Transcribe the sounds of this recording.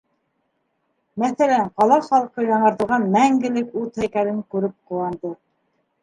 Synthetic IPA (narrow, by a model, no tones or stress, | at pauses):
mæθælæɴqɑlˠɑχɑlˠqɤjɑɴɤ̆ɾt̪ɤ̆ʁɑnmæŋɡɘ̆lɘkʉðhæjkælɘŋkʉɾɘp̚qŭwɑnd̪ɤ